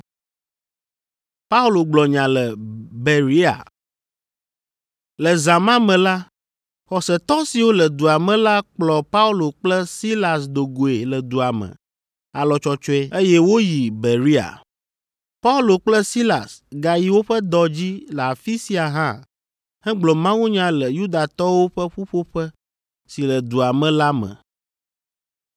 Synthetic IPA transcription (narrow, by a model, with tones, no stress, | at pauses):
pa˦u˦lo˨ɡ͡blɔ˨ɲã˨lə˨be˨ɾi˦a̰˨ | lə˨zã˨mã˦mɛ̃˨la˦ | xɔ˨sɛ˨t̪ɔ˦si˨wo˦lə˨d̪u˨a˨mɛ̃˨la˦k͡plɔ˨pa˦u˦lo˨k͡plɛ˦si˦la˨sd̪o˨ɡo˨e˨lə˨d̪u˨a˨mɛ̰̃˨ | a˨lɔ˨t͡ʃɔ˨t͡ʃɔ˦ɛ˦e˦jɛ˦wo˦ji˨be˨ɾi˦a̰˨ | pa˦u˦lo˨k͡plɛ˦si˦la̰˨sɡa˨ji˨wo˦ɸɛ˦d̪ɔ˨d͡ʑi˦lɛ˨a˨fi˦si˦a˨ɦã˦ | hɛ˦ɡ͡blɔ˨mã˦wũ˦ɲã˦lə˨ju˦d̪a˨t̪ɔ˦wo˦ɸə˦ɸu˦ɸo˦ɸɛ˦ | si˨lə˨d̪u˨a˨mɛ̃˨la˦mɛ̰̃˨